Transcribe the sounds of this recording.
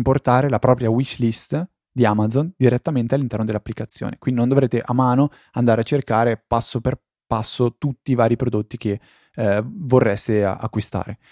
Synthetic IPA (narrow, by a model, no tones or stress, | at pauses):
mport̪aːɾelapɾɔːpɾjawit͡ʃːlist̪ | d̪iamad̪zond̪iɾet̪ːament̪ealːint̪ɛrnod̪elːapːlikat̪sːjo̰ːnekwind̪inõnd̪ovɾeːt̪eʔamːaːno | and̪aːɾeat͡ʃːerkaːɾepasːoper | pasːot̪ut̪ːiːvaːɾipɾod̪ot̪ːik̟e | vorːɛst̪ḛa̰kːwist̪a̰ːɾe